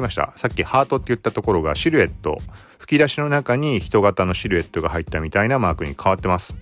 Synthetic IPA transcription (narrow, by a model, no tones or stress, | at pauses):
imaɕi̥t̪a̰sakʲːihaːt̪o̞t̪ːe̞jɯ̟t̪ːat̪o̞ko̞ɾo̞ɡa̰ɕiɾɯ̟e̞t̪ːo̞̰ | ɸɯ̟̥kʲid̪aɕino̞nakaɲ̟içi̥t̪o̞ɡat̪ano̞ɕiɾɯ̟e̞t̪ːo̞ɡahait̪ːamʲit̪ainamaːkɯ̟ɲ̟ikʰaβ̞at̪ːe̞masɨ̥